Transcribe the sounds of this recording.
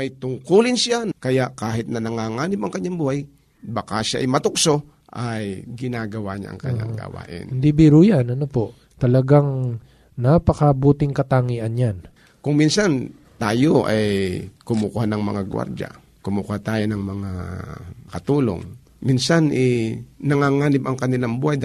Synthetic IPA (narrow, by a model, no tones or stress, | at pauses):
mɐjt̪ʊŋkuːlɪnsjakɐjaʔkaːɦɪt̪̚nɐnɐŋaːŋaːnɪmɐŋkɐɲːaŋbuːhaj | bɐkaʃaʔɐ̰jmɐt̪ʊkso | ʔajɡɪnaːɡɐwa̰ɲa̰ʔɐ̰ŋkɐ̰ɲːa̰ŋɡ̪ɐ̰wa̰ːʔɪ̰nɪnd̪ibiɾujanɐnopo̞ʔ | t̪ɐlɐɡaŋ | napɐkɐbuːt̪ɪŋkɐt̪aŋiʔɐnjan | kʊŋminsan | t̪aːjoʔajkʊmukuhanɐŋmɐ̰ŋaɡwa̰ɾd͡ʒa̰ | kʊmukhat̪aːjonɐŋmɐŋa | kɐt̪uːlo̰ŋ | minsanʔɛnɐŋaːŋaːnɪbɐŋkɐnɪlaŋbuːhaj̪